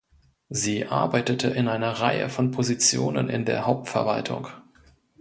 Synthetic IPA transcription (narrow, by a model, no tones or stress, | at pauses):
ziːʔa̰ɐbaɪtətʰəʔɪnʔaɪnɐʁaɪə̰fɔnpʰozit͡sjo̰ːnə̰nʔɪ̰ndeːɐɦhaʊp̚tfɛɐva̰ltʰʊ̰ŋ